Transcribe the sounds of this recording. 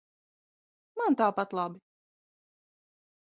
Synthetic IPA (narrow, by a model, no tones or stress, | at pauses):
mant̪aːpat̪lˠɑbi